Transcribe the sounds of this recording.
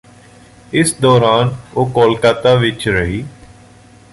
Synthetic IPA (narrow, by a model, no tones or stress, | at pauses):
ɪsd̪ɔːɾaːnoːkoːlkaːt̪aːʋɪt͡ʃɾəɦiː